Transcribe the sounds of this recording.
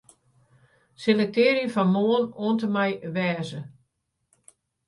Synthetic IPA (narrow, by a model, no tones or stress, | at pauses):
selətɪːɾifɔnmoːənoəntəmɛjʋɛːzə